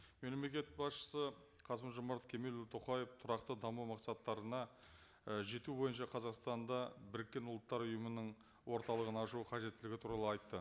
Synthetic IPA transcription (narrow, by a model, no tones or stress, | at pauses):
melemle̞kʲe̞t̪̚bɑsʃə̥sə | qʰɑsəmʒomɑɾt̪kʲʰe̞me̞lut̪ʰoqɑjeft̪ʰʊɾɑqt̪əd̪ɑmuwmɑqsɑt̪ːɑɾənɑ | əʒe̞t̪ubo̞jənʃɑqʰɑzɑqst̪ɑnd̪ɑbɪɾɪkʲːe̞nʊlˠət̪ːɑɾʊjəmənəɴ | wo̞ɾt̪ɑlˠəʁənɑʃuqʰɑʒe̞t̪ːɪlɪɡʲɪt̪ʰuɾɑlˠəɑjt̪ːə